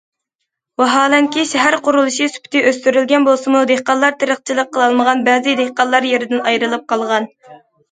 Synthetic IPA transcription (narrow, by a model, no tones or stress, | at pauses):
wɑɦɑːlɛŋkʲiʃɛɦæɾqʰʊɾulˠɨʃisy̥pʰt̪ʰɪʔøst̪yɾylɡʲɛnbolˠsɨmud̪ehqɑnlˠɑɾt̪ʰeɾəχt͡ʃʰilˠəqʰːəlˠɑlˠməʁɑnbɛːzɪd̪ehqɑnlˠɑɾjeɾɪd̪ɪnɑjɾɨlˠɨp̚qʰɑlˠʁɑn